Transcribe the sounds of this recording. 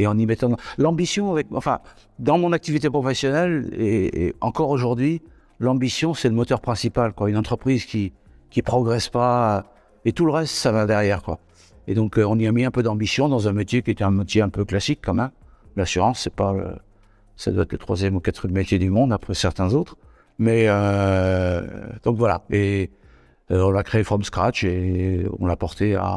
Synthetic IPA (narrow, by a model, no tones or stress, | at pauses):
eɑ̃nimɛt̪ɑ̃lɑ̃bisjɔ̃avɛk̚ɑ̰̃fɛ̰̃ | d̪ɑ̃mɔ̃nak̚t̪ivit̪epχɔfɛsjɔnɛleḛɑ̰̃kɔʁoʒuʁd̪ɥi | lɑ̃bisjɔ̃sɛləmɔt̪œʁpχɛ̃sipalkwaynɑ̃t̪χəpχizkʲi | kʲipχɔɡʁɛspaø | et̪uləʁɛst̪savad̪ɛʁjɛʁkwa̰ | ed̪ɔ̃køɔ̃niamiɛ̃pød̪ɑ̃bisjɔ̃d̪ɑ̃zɛ̃met̪jekʲiet̪ɛɛ̃met̪jeɛ̃pøklasikːɑ̃mɛmlasyʁɑ̃sːɛpalə̰ | sad̪waɛt̪lət̪χwazjɛmukat̪χijɛmːet̪jed̪ymɔ̃d̪apχɛsɛʁt̪ɛ̃zot̪χ | mɛø | d̪̥ɔ̃kvwala̰e | øɔ̃lakχeefɔmskχat͡ʃeɔ̰̃lapɔʁt̪ea̰